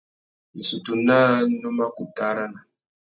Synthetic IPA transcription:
ni˨su˨tu˨na˦nu˦ma˦ku˨p̚ta˦ɾa˦na˨

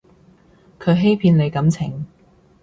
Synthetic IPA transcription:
kʰɵ˨˧ɥɦe˥jpʰiː˧nle˨˧jkɐ˨˥mt͡sʰɪ̰˨˩ŋ

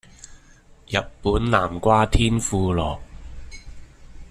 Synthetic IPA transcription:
jɐ˨tpuː˨˥nlaː˨˩mkʷwaː˥t̪ʰiː˥nfuː˧lɔː˨˩k̚

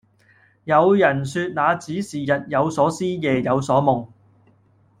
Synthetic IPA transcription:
jɐ˨˧wjɐ˨˩nsyː˧t̚naː˨˧t͡siː˨˥siː˨˩jɐ˨t̚jɐ˨˧wsɔː˨˥siː˥jɛː˨jɐ˨˧wsɔː˨˥mʊ˨˩ŋ

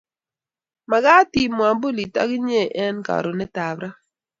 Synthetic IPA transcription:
ma˨ɡa˦ti˦mwa˨bo˦li˨ta̰˦ɡɪ˦ɲe˦˨ʔɛ˦nka̰˨ɾo˨nɛ˦ta˨bɾa˦

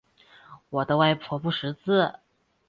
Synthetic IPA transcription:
wɔ˨˩d̪ə˦wa˥˧ɪpʰwɔ˧˥pu˥˩ʂɻ̩˧˥t͡sɹ̩˥˩

